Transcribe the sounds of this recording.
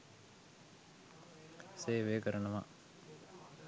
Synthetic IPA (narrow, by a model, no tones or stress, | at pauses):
seːʋekəɾənɐʋa